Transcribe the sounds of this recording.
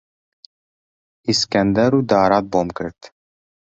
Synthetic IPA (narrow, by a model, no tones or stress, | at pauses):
iskænd̪æɾud̪aːɾɑt̪̚bomkɾɘt̪